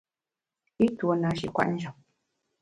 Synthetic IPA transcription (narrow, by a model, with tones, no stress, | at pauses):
i˦two˨˦na˨˦ʃḭ˨kwa̰˦˨n̩˦d͡ʒɔ˨m